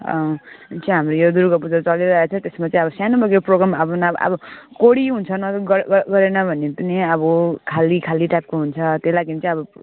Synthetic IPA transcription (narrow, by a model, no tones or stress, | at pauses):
ʌ̰t͡sʌ̃ɦamrojod̪uɾukʌpud͡zat͡sʌliɾʌɦet͡sʰʌ̃t̪esmat͡sãĩʌbʌsjanobʌɡekoproɡɾamaʌbʌnʌ̰bʌkoɽiɦunt͡sʰʌnʌɡɡʌɾenʌbʱʌnepʌniʌbʌkʰalikʰaliʈajp̚koɦunt͡sʰʌt̪elaɡimt͡saĩʌbʌ